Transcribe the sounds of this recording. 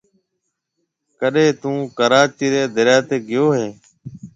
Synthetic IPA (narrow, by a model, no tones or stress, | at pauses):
kəɗẽːt̪ũːkəɾaːt͡ʃiːɾeːd̪əɾjaːt̪eːɡɪjoːɦẽː